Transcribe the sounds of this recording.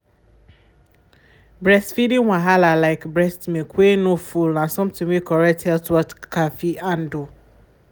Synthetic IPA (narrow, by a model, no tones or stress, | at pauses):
bɹɛstfidĩŋwãɦalalaɪkbɹɛstmẽkʰʷwenõfulnãsɔ̃mtɪ̃ŋwikʰɔɹɛthɛltwɔtkʰafiʔãndo